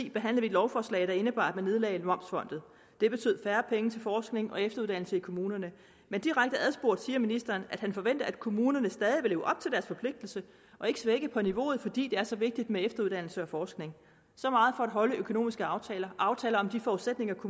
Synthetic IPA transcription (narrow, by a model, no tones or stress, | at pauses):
ḭːb̥e̝ɦæn̰lɐʋied̥lɒʊfɒːslɛ̰ːɪd̥ɑ̈e̝nəb̥ɑ̈ːd̥mænːe̝ð̞ˠlɛ̰ɪnwɒ̽m̰sfɒ̽n̰d̥ð̩ˠ | d̥e̝b̥e̝t͡sʰø̰ð̰ˠfæːɐpʰeŋət͡sʰe̝lfɒːsɡ̥ne̝ŋʔɒ̽efd̥ɐuðˠd̥æn̰l̩səikʰo̝muːnɐnə | mend̥iʁaɡ̥̚d̥əæð̞ˠsb̥o̝ɐd̥siːɐminisd̥ɐːnæd̥hænfɒ̽ʋen̰d̥ɐæd̥kʰo̝muːnɐnəsd̥ɛːð̞ˠiʋe̝lːʊ̰ʔɒ̽b̥̚t͡sʰe̝ld̥æɐsfɒ̽pʰle̝ɡ̥̚d̥l̩sə | ʔɒ̽e̝ɡ̥əsʋeɡ̥əpʰɒ̽niʋo̝̰ːð̞̩ˠfɒ̽d̥ḭːd̥e̝æɐsɒ̽ʋe̝ɡ̥̚d̥id̥meefd̥ɐuðˠd̥æn̰l̩səɒ̽fɒːsɡ̥ne̝ŋ | sɒ̽mɑ̈ːð̞̩ˠfɒ̽æd̥ɦɒ̽ləʔøkʰo̝no̝̰ːmisɡ̥əɑ̈ʊt͡sʰɛːlɐʔɑ̈ʊt͡sʰɛːlɐɒ̽md̥ifɒuð̥ˠsed̥ne̝ŋɐkʰo